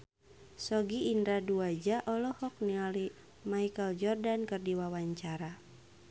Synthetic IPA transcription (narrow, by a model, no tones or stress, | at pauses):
sɔɡiːndɾaduad͡ʒaʔɔlɔhɔk̚niali | maikəld͡ʒɔrdankɨrdiwawaɲt͡ʃaɾa